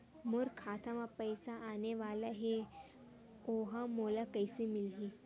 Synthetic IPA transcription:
mʊɾkʰaːt̪ʰãmãpɐjsaaːneʋaːlaɦe | oːɦãmoːlakɐɪsemɪlɦi

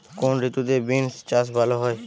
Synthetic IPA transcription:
konɾit̪ud̪ebinst͡ʃasbʱaloɦɔe

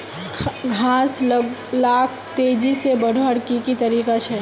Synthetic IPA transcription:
ɡʱãsllakʰt̪ed͡ʒisebəɽ̤ʱəɽkikit̪əɾiːkat͡ʃʰɛ

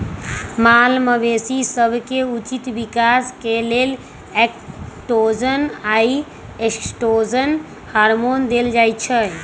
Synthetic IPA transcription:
malməbesisəbʱkeut͡ʃit̪bikaskelel | ekʈod͡ʒənai | eksʈod͡ʒən | haɾmond̪eld͡ʒajt̪t͡ʃʰə

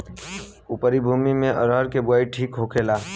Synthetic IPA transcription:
ʊpəɾibʱuːmimẽʔə̰ɾəɾkebʊaːiʈʰiːkɦokʰelaː

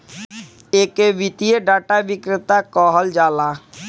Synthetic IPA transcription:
eːkeʋit̪ijeɖaːʈaʋɪkɾɪt̪akɔːɦəld͡ʒaːlaː

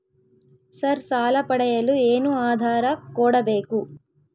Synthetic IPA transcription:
sɐɾsaːlɐpɐɽɐjɐlueːnuaːd̪ʱaːɾɐkɔːɽɐbe̞ːku

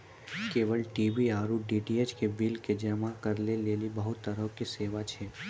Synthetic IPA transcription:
keːʋəlʈiːʋiaːɾuɖiːɖiet͡ʃkebɪlked͡ʒəmakɐɾleleːlibəɦʊt̪ːəɾəɦkiseːʋat͡ʃʰɛː

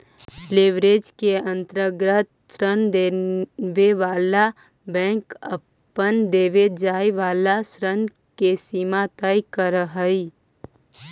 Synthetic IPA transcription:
leːʋɾeːd͡ʒkeə̃nt̪ɾəɡɾət̪ | sɾənd̪eʋeʋaːla | bɛ̃ːŋkə | pːənd̪eːʋed͡ʒaːeʋaːlasɾən | kesiːmat̪əikəɾəɦəi

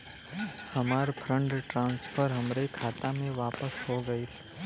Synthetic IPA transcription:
həmaːɾpʰɾə̃ɳɖʈɾãːnspʰəɾɦɐmɾekʰaːt̪amẽʋaːpəsɦoɡəit̪ʰɛ

